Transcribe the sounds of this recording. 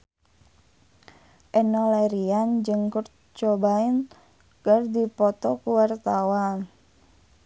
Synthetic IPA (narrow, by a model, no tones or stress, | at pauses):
ʔɛnɔlaɾiand͡ʒɨŋkur | t͡ʃɔbain | kərd̪ipɔt̪ɔkuwart̪awan